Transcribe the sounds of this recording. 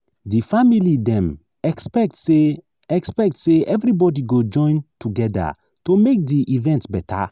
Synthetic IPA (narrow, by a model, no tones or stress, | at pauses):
difamilidɛ̃m | ɛkspɛk̚tse | ɛkspɛk̚tseɛvɾibɔdiɡod͡ʒɔ̃ɪ̃ntuɡɛda̰ | tomek̚diʔivɛ̃ntbɛtʰa̰